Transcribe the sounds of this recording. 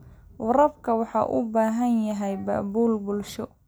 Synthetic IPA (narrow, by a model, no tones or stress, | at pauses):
wɑɾɐbkʰɐwɑħɑ̰ːʔʊbaːɦɐnjɐɦɛjbɐ̰ʔbuːlbʊlʃɔ